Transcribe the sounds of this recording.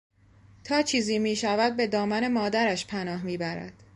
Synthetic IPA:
t̪ʰɒːt͡ʃʰiːziːmiːʃævæd̪̚be̞d̪ɒːmæne̞mɒːd̪æɾæʃpʰænɒːɦmiːbæɾæ̰d̪̥

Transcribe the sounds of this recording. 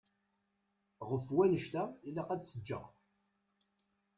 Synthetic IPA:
ʁəfwænəʃt̪æilːæqæd̪səd͡ʒːə̰ʁ

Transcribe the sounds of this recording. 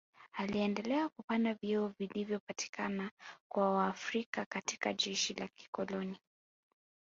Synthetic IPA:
aliɛndɛlɛakupandaviɔvilivjɔpati̥kanakwawaːfɾikakatikaʄɛʃilaki̥kɔlɔni

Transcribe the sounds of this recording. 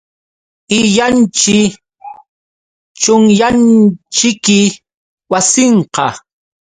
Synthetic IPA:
ɪʎant͡ʃɪ | t͡ʃʊŋjant͡ʃɪkɪ | wasɪɴqɑ

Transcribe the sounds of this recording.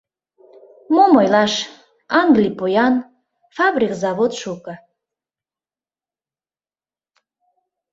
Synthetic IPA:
momojlɑʃ | ɑŋɡlʲipojɑn | fɑbrʲikzɑβot̪ʃukə̆

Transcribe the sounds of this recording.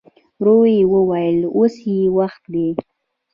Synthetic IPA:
ɾoweewəwajəlosjewaxt̪d̪e

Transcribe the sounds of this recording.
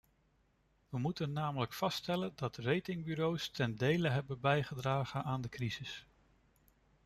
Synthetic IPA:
ʋəmutənːaːmələkfɑstɛləndɑtrejtɪŋbyɾowstɛndejləɦɛbənbɛjχədraːχənaːndəkrizɪs

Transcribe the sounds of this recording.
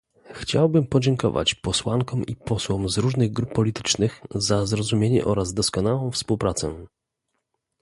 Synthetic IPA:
xt͡ɕawbɘmpɔd͡ʑɛŋkɔ̰va̰t͡ɕpɔswaŋkɔmʔḭpɔswɔmzɾuʐnɘɣɡɾupːɔlʲit̪ɘ̥t͡ʂnɘxzazɾɔzumʲjeɲɛ̰ʔɔɾazd̪ɔskɔnawɔ̃w̃fspuwpɾat̪sɛ̰

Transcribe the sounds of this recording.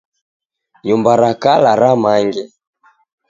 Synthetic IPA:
ɲumbaɾakalaɾamaŋɡɛ

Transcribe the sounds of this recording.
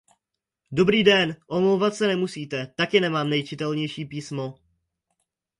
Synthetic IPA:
do̞bɾiːdɛnʔomlowvat̪sɛnɛmusiːt̪ɛt̪akɪnɛmaːmnɛjt͡ʃɪt̪ɛlɲɛjʃiːpiːsmo

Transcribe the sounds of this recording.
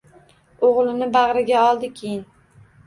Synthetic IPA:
oʁlˠɪnɪbaʁɾɪɡʲaɒlˠd̪ɪkʲʰejɪn

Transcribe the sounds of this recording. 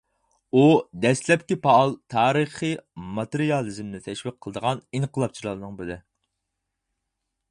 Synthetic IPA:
ud̪ɛslɛpkʲipɑːlˠt̪ʰɑːɾɨχɨmɑt̪ɨɾijɑlˠɨzmnɪt̪ʰɛʃwiqʰːəlˠəd̪əʁɑniŋqʰəlˠɑp̚t͡ʃʰilˠɑlnɨŋbɪlɪ

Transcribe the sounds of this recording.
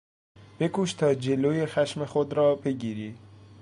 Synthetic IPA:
b̥ekuʃt̪ʰɒːd͡ʒeloːjexaʃmexod̪ɾɒːbeɡiːɾi

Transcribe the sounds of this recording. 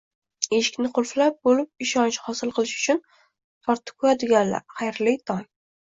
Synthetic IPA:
eʃɪ̥kʲnɪqʰʊlflap̚bolɪp̚ɪʃɒnt͡ʃhɒsɪlˠqʰɨlˠɪʃʊ̥t͡ʃʰʊn | pʰɒɾt̪ʰːɪ̥kʰoad̪ɪɡʲanla̰ɾχajɾlɪjt̪ʰɒn

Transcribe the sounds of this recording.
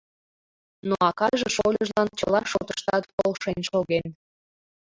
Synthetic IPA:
noɑkɑʒeʃolʲəʒlɑnt͡ɕə̰lɑʃot̪əʃt̪ɑt̪polʃenʲʃoɣen

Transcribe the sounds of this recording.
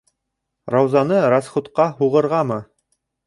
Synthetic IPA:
ɾɑwzɑnɤɾɑsχut̪qɑɦuʁɤ̆ɾʁɑmɤ

